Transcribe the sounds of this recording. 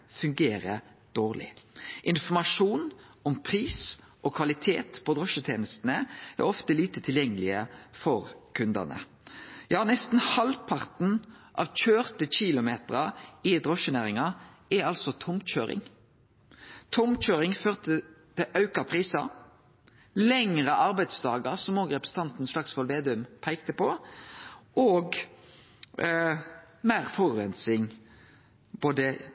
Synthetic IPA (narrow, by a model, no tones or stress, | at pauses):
fʉŋɡeːɾə | d̪̥oːʁlɪ̰ʔɪnfɔmɑʂuːnɔmpʰʁiːs | ʔɔkʰʋɑlɪt̪ʰḛːt̪pʰɔd̪ʁɔʂət̪ʰeːnəst̪ənəæ̰ʁɔft̪əliːt̪ət̪ʰɪljɛŋːəlɪəfɔʁkʰʉnd̪ɑ̰nə̰ | jɑːnɛst̪n̩hɑlpʰɑʁt̪n̩ʔɑ̰ʋc͡çøːʁt̪əçɪlʊmeːt̪ʁɑɪd̪ʁɔʃənæːʁɪŋɑɛɑlsɔt̪ʰɔmc͡çøːɾɪ̰ŋ | t̪ʰɔmc͡çøːɾɪŋføːʁt̪ət̪ʰɪʔɑʉkɑpʰʁiːsɑ | lɛŋʁəʔɑʁbæɪd̪sd̪ɑːɡəʁsɔmoːɡʁɛpʁɛsə̥t̪ɑnt̪n̩sʂlɑksʋɔlʋeːd̪ʉmpʰæɪkt̪əpɔ | ʔoːɡ | mæːʁfɔʁɛnsɪŋ | boːd̪ə